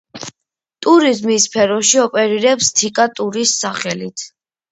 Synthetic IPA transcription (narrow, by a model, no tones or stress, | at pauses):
t̪ʼuɾizmispʰɛɾɔʃiɔpʼɛɾiɾɛpst̪ʰikʼat̪ʼuɾisːaχɛlit̪ʰ